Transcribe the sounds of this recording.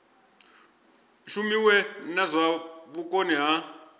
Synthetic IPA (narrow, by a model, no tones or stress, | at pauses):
ʃumiwɛnazʷaβuk̬ʼoniɦa